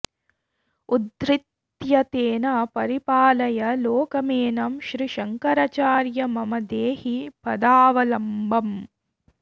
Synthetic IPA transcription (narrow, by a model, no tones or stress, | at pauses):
ud̪ɾit̪ | jɐt̪eːnɐpɐɾipaːlɐjɐloːkɐmeːnɐmʃɾiʃɐŋkɐɾɐt͡ʃaːɾjɐmɐmɐd̪eːhipɐd̪aːʋɐlɐmbʱɐm